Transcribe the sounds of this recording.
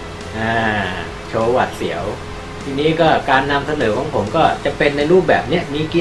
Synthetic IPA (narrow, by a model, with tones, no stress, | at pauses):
ʔaː˧˩ | t͡ɕʰoː˧wa˨˩t̪̚si˩˦əw | t̪ʰiː˧niː˦˥kɔː˥˩kaː˧nːa˧msa˧nɤː˩˦kʰɔː˩˦ŋpʰo˩˦mkɔː˥˩t͡ɕa˨˩ʔpe˧nːa˧jɾuː˥˩p̚bɛ̰ː˨˩p̚ni˦˥ɐmiː˧˩ki˦˥